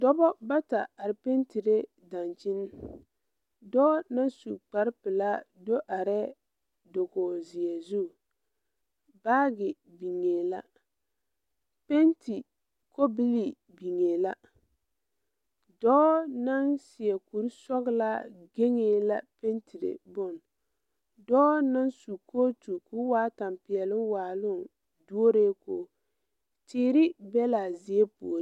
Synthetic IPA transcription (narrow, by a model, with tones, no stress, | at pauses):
dɔ˦bɔ˦ba˦ta˨a˨ɾɪ˨pe˦nti˨ɾe˦ | da˨nt͡ʃɪ˦n˦ | dɔː˦na˦nsṵ˨k͡pa˨ɾpɪ˨la˦do˦ʔa˨ɾɛ˦ | do˨ɡoː˨zɪ˨ɛ˨zu˦˨ | baː˦ɡɪ˨ | bi˨ŋeː˨la˦ | pe˦nti˨ | ko˦bi˦li˨ | bi˨ŋe˨la˦ | dɔː˦na˦nsɪ˨ɛ˨ku˨ɾsɔ˦ɡla˦ɡe˦ŋeː˨la̰˦pe˦ntʰi˨ɾḛ˨bʊ˦˨n | dɔː˦na˦nsu˨kʰoː˦tu˨kʊ˦waː˦ta˨mpɪ˨ɛ˨lɪ˦nwaː˨lʊ˦˨ | du˦o˦ɾeː˦koː˦˨ | tɪː˨˦ɾɪ˦bɛ˦la˨zɪ˨e˦pṵ˨ɾ